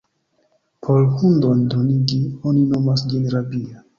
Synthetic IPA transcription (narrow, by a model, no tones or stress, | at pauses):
pʰolhundondoniɡio̞nino̞masd͡ʒinɾabia